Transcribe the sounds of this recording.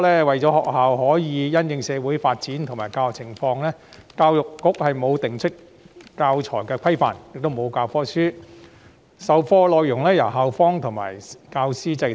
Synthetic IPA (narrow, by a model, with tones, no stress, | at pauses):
lɛː˥wɐ˨jt͡ʃɔː˨˥hɔː˨k̚haː˨wɦɔː˨˥jiː˨˧jɐ˥njɪ˨˧ŋsɛː˨˧wu˨˥jfaː˧t̚t͡siː˨˥nt̪ʰʊ˨˩ŋmaː˨˩jkaː˧kt͡sʰɪ˨˩ŋfɔː˧ŋlɛː˥kaː˧wjʊ˨kːʊ˨˥k̚hɐ˨jmo˨˧wt̪ɪ˨˩ŋt͡ʃʰɵ˥t̚ | kaː˧wt͡ʃʰɔː˨˩jkɛː˧kʰɐ˥jfa̰ː˨˩njɪ˨k̚t̪o˥wmo˨˧wkaː˧wfɔː˥syː˥ | sɐ˨˧wfɔː˧lɔː˨jjʊ˨˩ŋlɛː˥jɐ˨˩wɦaː˨wfɔː˥ŋt̪ʰʊ˨˩ŋma̰ː˨˩jkaː˧wsiː˥t͡sɐ˧j